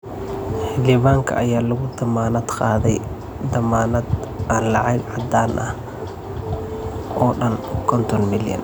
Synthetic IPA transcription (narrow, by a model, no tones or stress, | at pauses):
ħɪlɪβaːŋkʰɐ̰ʔɐjaːlɐɣʊd̪ɐmaːnɐd̪qɑːðɛj | d̪ɐmaːnɐd̪ʔanlɑʕɑɡʕɑd̪aːnʔɐh | ɔːɖɐnkʰɔnt̪ʰɔnmɪljɐ̰n